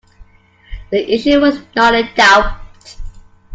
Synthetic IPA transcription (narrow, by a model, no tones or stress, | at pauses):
ðiʔɪʃʉwʌznɔɾɨdaʊpt